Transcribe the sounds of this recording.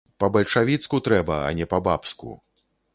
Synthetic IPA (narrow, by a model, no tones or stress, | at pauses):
pɐbɐlʲʂavʲit̪skut̪ɾɛbɐɐ̰nʲɛpɐbapskṵ